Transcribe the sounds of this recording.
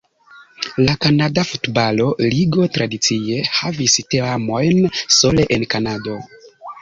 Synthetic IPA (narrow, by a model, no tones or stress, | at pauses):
lakanadafutbalo̞liɡo̞tɾadit͡sie̞havisteamo̞jnso̞le̞ʔenkanado̞